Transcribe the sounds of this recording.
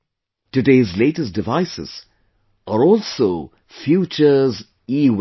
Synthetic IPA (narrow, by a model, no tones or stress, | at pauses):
tɨdeːzleːʈəsd̥ɪvaɪsɪ̰z̥ | ʔəɾɔːlˠso | fjuːt͡ʃəz | iːw